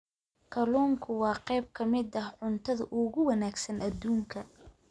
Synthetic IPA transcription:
kʰɐluːŋkʰʊwɑːqɛjb̚kʰɐmɪd̪ɐhʕʊnt̪ʰɐðɐʔʊɣʊwɐnaːɡsɐnɐd̪uːŋkʰɐ

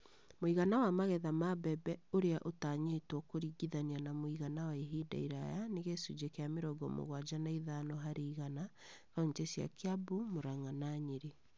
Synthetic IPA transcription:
moiɣanawamaɣɛðamabɛbɛoɾeaʔotaɲetwɔkoɾiɡiðanianamoiɣanawaeɦida̰iɾajaneɣesud͡ʒekeameɾɔɡɔ̰mo̰ɣwad͡ʒanaiðanɔɦaɾeiɣana | kaɲtesja̰keabumoɾaŋanaɲeɾe

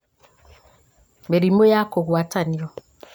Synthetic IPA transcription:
beɾimojakoɣwataniɔ

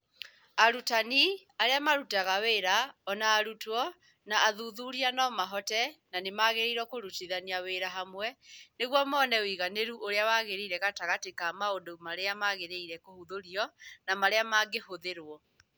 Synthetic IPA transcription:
aɾutaniaɾeamaɾutaɣaweːɾaɔnaːɾutɔ | naːðuðuɾianɔmaɦɔtɛnanemaɣeɾeiɾwɔkoɾutiðaniaweɾaɦamwɛneɣwɔmɔnɛwiɣaneɾuʔoɾeawaɣeɾeiɾɛɣataɣatekamaondomaɾeamaɣeɾeiɾɛkohuðoɾiɔnamaɾeamaɡehoðeɾwɔ

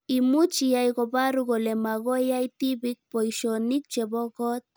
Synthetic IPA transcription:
imut͡ʃiajɣobaɾuɣolemaɣojajt̪ibik̚pojʃonik̚t͡ʃeboɣot̪̚

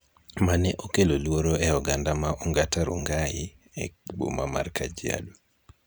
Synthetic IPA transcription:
manɛʔokelolwoɾoɛɔɡandamaʔɔŋɡataɾuŋɡajɪ | ɛkbo̰mama̰rkad͡ʒia̰do

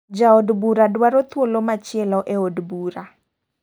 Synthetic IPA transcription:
d͡ʒaodbuɾadwaɾot̪wolomat͡ʃɪɛlɔʔeodbuɾa

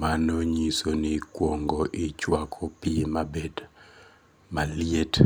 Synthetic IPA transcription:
manoɲisonikwoŋɡoʔit͡ʃwakʰɔpimabed | maliet

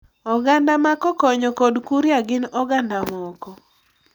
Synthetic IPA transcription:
ɔɡandamakɔkɔɲɔkɔdkuɾjaɡɪnɔɡandamɔkɔ

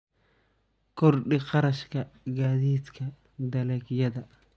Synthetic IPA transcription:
kʰɔrɖɪqɑɾɐʃkʰɐɡaːðiːd̪kʰɐ | d̪ɐlɛkjɐðɐ

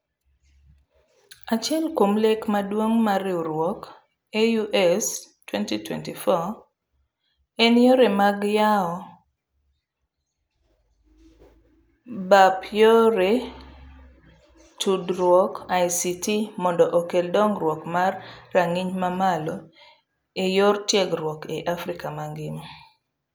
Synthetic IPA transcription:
at͡ʃjɛlkomlekmadwoŋmarɪoɾwɔk | ejuʔɛstwɛntitwɛ̰ntifɔ | enjoɾemaɡjaɔ | bapjoɾe | tʰudɾwɔkajsitʰimɔndɔʔokeldɔŋrwɔkmarːaŋiɲmamalɔ | ejortjɛɡɾwɔkeʔafɾikamaŋɡɪn

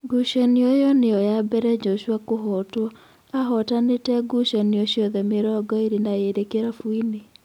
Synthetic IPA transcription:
ɡuʃɔniojɔneɔjabɛɾɛd͡ʒɔʃwakoɦɔtwɔ | aɦɔtanetɛɡuʃɔnioɕjɔðɛmeɾɔɡɔiɾinaeɾekeɾafwine

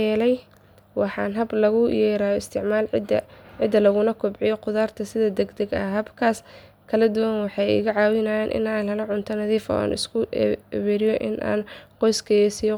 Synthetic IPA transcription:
ɛːlɛj | wɑħɑːnɦɐblɐɣʊjɛːɾaːjɔɪst̪ʰɪʕmaːlʕɪd̪ːɐlɐɣʊnɐkʰʊbʕɪjɔqʊðaːrt̪ʰɐsɪðɐd̪ɛɡd̪ɐɡɐɦɐbkʰaːs | kʰɐlɐd̪ʊwɐnwɑħɑjɪ̰ɣɐʕɑːwɪnajaːnʔɪ̰naːnlɐlɐʕʊnt̪ʰɐnɐðiːfɔ̰a̰ːnʔɪ̰skʰʊɛβɛːɾɪjɔʔɪ̰nʔa̰ːnqɔjskʰɐjɛsijɔ

